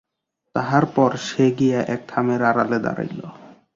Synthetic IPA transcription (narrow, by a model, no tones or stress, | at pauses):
t̪aɦaɾpɔɾʃeɡijaʔɛk̚t̪ʰameɾaɾaled̪a̰ɾa̰jlo